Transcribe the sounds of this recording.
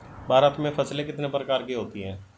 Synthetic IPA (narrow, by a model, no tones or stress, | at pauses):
bʱaːɾət̪mẽfʰɐslekɪt̪nepɾəkaːɾkiɦoːt̪iɦɛ̃ː